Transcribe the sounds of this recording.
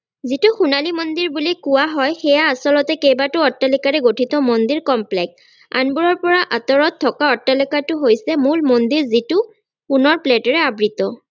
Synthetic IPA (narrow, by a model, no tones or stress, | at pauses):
zitʊxunalimɔnd̪iɹbulikʊwaɦɔjxɛjaːsɔlɔtɛkejbatʊɔtːalikaɹɛɡotʰitɔmɔndiɹkɔmplɛk̚s | a̰nbuɹɔɹpɔɹaʔatɔɹɔtʰːɔkaɔtːalikatʊɦojsɛmulmɔndiɹzitʊ | punɔɹpletɔɹɛabɹitɔ